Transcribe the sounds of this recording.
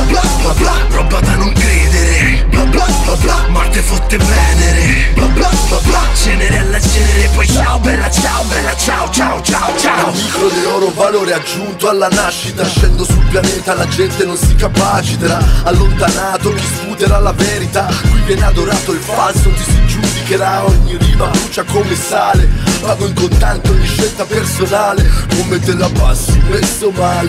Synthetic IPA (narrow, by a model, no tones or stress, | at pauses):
ba | a | a | ɾɔbad̪anːoŋkɾeːd̪eɾe | aba | a | amɔrt̪efot̪ːepɛːneɾeabaabad͡ʒɛneɾealːad͡ʒɛneɾepːɔjt͡ʃaobɛɾat͡ʃaːobɛrat͡ʃaot͡ʃaot͡ʃaot͡ʃaamikɾod̪ilɔːɾovaloːɾead͡ʒːunt̪oalːanaʃːit̪aʃːɛnd̪osulpjanɛːt̪alad͡ʒɛnt̪enonsikːapat͡ʃit̪eɾaalːont̪anaːt̪oisfut̪eɾalavɛːɾit̪akwivjɛːnead̪oɾaːt̪oilfasokesid͡ʒud̪ikeɾaɔɲːirivaluːt͡ʃakomesaːlevaːvoiŋkont̪ant̪od̪iʃːɛlt̪apersonaːlekomːet̪ːelabasːuwesomaːle